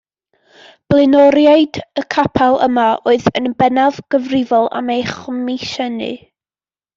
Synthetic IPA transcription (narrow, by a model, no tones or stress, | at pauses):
b̥lˠɪnɔɾjaɨdəkʰapʰalˠə̰maʔoːɨðənbɛnavɡ̥əvrɪvɔlˠa̰mejχɔmɪʃɛnɨ̰